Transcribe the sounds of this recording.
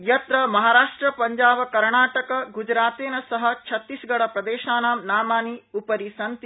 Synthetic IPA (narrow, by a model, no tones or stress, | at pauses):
jɐt̪ɾɐmɐɦaːɾaːʂʈɾɐpɐɲd͡ʒaːbɐkɐɾɳaːʈɐkɐɡud͡ʒɾaːt̪eːnɐsɐɦɐ̆t͡ʃʰɐt̪ːisɡɐɽɐpɾɐd̪eːʃaːnaːmnaːmaːniupɐɾisɐnt̪i